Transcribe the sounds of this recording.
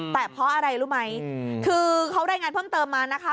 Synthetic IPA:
t̪ɛː˨˩pʰɾɔ˦˥ʔa˧ɾa˧jɾuː˦˥ma˦˥jkʰɯː˧kʰa˦˥wɾaː˧jŋaː˧npʰɤː˥˩mt̪ɤː˧mːaː˧na˦˥kʰa˦˥˩

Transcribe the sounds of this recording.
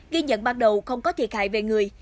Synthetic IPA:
ɣi˧ɲə̰˧˨nɓaː˧nɗə˨˩wxə˧wŋ͡mkɔ˨˦t̪ʰi˨˩ət̚ha̰ː˧˨jve˨˩ŋɨ˨˩əj

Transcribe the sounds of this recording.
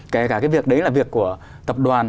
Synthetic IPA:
kɛ˧˩kaː˧˩kaː˨˦jvi˨˩ək̚ɗə˨˦jlaː˨˩vi˨˩əkːu˧˩ə | t̪ə˨˩p̚ɗwaː˨˩n

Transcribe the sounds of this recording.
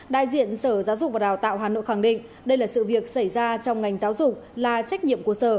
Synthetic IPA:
ɗa̰ː˧˨jzḭ˧˨ənsəː˧˩zaː˨˦wzʊ˨˩k͡p̚vaː˨˩ɗaː˨˩wt̪a̰ː˧˨wɦaː˨˩no̰˧˨jxaː˧˩ŋɗḭ̈˧˨ŋ̟ | ɗə˧jlaː˨˩sɨ̰˧˨vi˨˩ək̚sa˧˩jzaː˧t͡ɕɔ˧wŋ͡mŋa˨˩jŋ̟zaː˨˦wzʊ˨˩k͡p̚laː˨˩t͡ɕa˦˥k̟̚ɲḭ˧˨əmku˧˩əsəː˧˩

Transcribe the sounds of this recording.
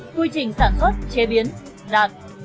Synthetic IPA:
ku˧jt͡ɕï˨˩ŋ̟saː˧˩nswə˦˥t̚t͡ɕe˨˦ɓi˨˦ən | ɗaː˨˩t̚

